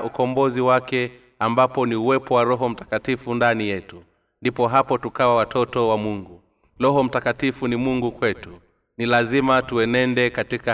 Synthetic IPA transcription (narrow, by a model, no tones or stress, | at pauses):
ukɔmbɔziwakɛ | ambapɔniuwɛpɔwaɾɔɦɔm̩tḁkatifundanijɛtu | ndipɔɦapɔtukawawatʰɔtɔwamuŋɡu | lɔɦɔm̩takatifunimuŋɡukwɛtu | nilazimatuɛnɛndɛkatika